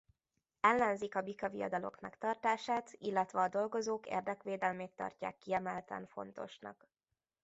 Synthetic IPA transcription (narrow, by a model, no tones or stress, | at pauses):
ɛlːɛnzikɒbikɒvijɒ̰d̪ɒlo̞̰kmɛkt̪ɒrt̪aːʃaːt̪ilːɛt̪ʋɛɒd̪o̞lɡo̞zoːkḛːrd̪ɛkʋeːd̪ɛlmeːt̪t̪ɒ̰rca̰ːkːiɛmɛlt̪ɛ̰ɱfo̞̰n̪t̪o̞̰ʃnɒ̰k